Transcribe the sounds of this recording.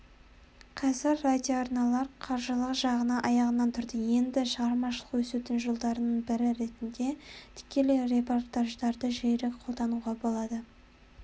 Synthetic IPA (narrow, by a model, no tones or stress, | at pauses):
qʰɑzɪɾːad̪ʲijoɑɾnɑlˠɑɾqʰɑɾʒəlˠəqʒɑʁənɑʔɑjɑʁənɑnt̪ʰʊɾd̪əje̞nd̪ɪʃəʁɑɾmɑʃəlˠəqwɵset̪ɪnʒolˠd̪ɑɾənəɴbɪɾɪɾe̞t̪ɪnd̪e̞t̪ʰɪ̥kʲe̞lɪɾe̞port̪aʒd̪ɑɾd̪əʒejɾeqʰo̞lˠd̪ɑnuʁɑbo̞lˠɑd̪ə